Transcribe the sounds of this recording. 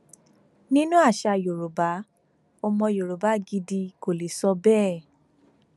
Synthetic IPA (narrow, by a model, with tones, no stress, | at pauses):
nĩ˦nũ˦a˦˨ʃa˧˨jo˨ɾo˨ba˨˦ | ɔ˧mɔ̃˧jo˨ɾo˨ba˨˦ɡi˧di˧ko˨le˨˦sɔ˧bɛː˦˨